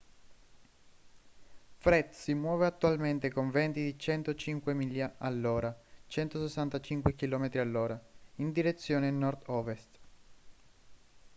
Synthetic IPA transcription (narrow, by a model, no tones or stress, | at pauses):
fɾɛt̪simwɔːveat̪ːualment̪ekoɱvɛnt̪id̪it͡ʃɛnt̪ot͡ʃiŋkwemilːjaalːoːɾat͡ʃɛnt̪osesːant̪at͡ʃiŋkwek̟ilɔːmet̪ɾialːoːɾaind̪iɾet̪sːjoːnenɔrd̪ɔvest̪